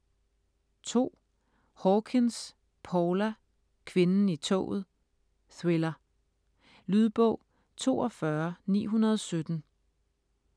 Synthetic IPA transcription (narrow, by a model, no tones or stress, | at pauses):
t͡sʰo̝̰ː | hɒkʰens | pʰɒːlæ | kʰʋe̝nn̩it͡sʰɔ̰ːð̞̩ˠ | swelɐ | lyð̞ˠb̥ɔʊ̰ | t͡sʰo̝̰ːɒfɶɐnḭːɦunɐð̞ˠɒ̽sød̥n̩